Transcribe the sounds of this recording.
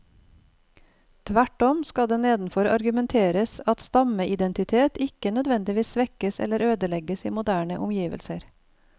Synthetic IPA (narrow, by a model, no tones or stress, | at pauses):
t̪ʰʋæʈɔmskɑd̪eːneːd̪n̩fɔɾɑ̰ɾɡʉmɛnt̪ʰeːɾəsɑt̪st̪ɑməʔɪd̪ɛnt̪ɪt̪ʰeːt̪ɪkənœd̪ʋɛnd̪ɪʋiːsʋɛkəsɛ̰ləɾøːd̪əlɛɡəsiːmʊd̪æːɳə̰ʔʊmjiːʋə̰lsəɾ